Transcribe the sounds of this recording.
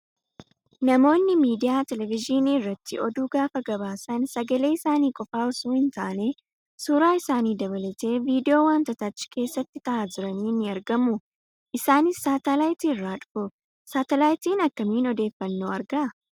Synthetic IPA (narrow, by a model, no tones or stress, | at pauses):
nɐmo̞ːnːɪmiːd̪ɪjaːt̪ɛlɛvɪd͡ʒiniːɪrːɐt̪ʰːɪɔd̪uːɡaːfɐɡɐβaːsɐnsɐɡɐle̞ːɪsaːniːkʼɔfaːɔsuːhɪnt̪a̰ʔne̞ː | suːɾaːɪsaːniːd̪ɐβɐlɐt̪e̞ːviːd̪ɪo̞ːwaːnt̪ɐt̪at͡ʃːɪ̥ke̞ːsːɐt̪ːɪt̪ɐʔaːd͡ʒɪɾɐniːnːɪɐɾɡɐmʊ | ʔɪsaːnɪsːaːt̪ɐlaːjt̪iːɪrːaːᶑʊ̥fʊ | saːt̪ɛlaːjt̪iːnɐkːɐmiːnɔd̪e̞ːfːɐnːoːɐɾɡɐʔɐ